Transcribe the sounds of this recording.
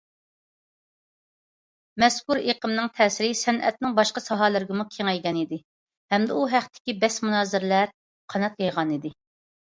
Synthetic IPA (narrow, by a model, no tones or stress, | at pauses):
mɛskuɾeqəmnɨŋt̪ʰɛːsɪɾɪsɛnʔɛ̰t̪̚nɪŋbɑʃqɑsɑɦɑlˠɪɾɪɡʲɪmukʲʰeŋɛjɡʲɛnid̪ɪ | hɛmd̪ɛuɦæχt̪ʰːɪ̥kʲibɛsmunɑːzɪɾlæɾ | qʰɑnɑt̪̚jɑjʁɑnid̪ɪ